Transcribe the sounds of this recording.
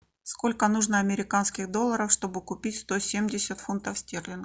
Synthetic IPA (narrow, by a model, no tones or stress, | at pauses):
sko̞lʲkənuʐnəɐmʲɪɾʲɪkanskʲɪɣd̪o̞lˠːəɾəfʂt̪o̞bɨkʊpʲitʲst̪o̞sʲemdʲɪsʲət̪funt̪əfsʲtʲerlʲɪn